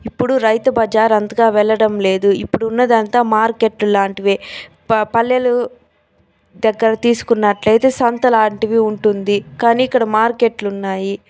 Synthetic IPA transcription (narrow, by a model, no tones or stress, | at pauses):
ipːuɽuɾɐjt̪ɐbɐd͡ʒaːɾɐnd̪ɐɡaːʋɛɭːɐɽɐmle̞ːd̪uipːuɽuːnːɐd̪ɐnt̪aːmaːɾke̞ːʈlulaːɳʈiʋeː | pɐlːjɐlu | d̪ɛɡːɐɾɐt̪iːsu̥kunːɐʈlɐjt̪e̞ːsɐnt̪ɐlaːɳʈiʋiuɳʈund̪ikaːniːkːɐɽɐmaːɾke̞ʈlunːaːji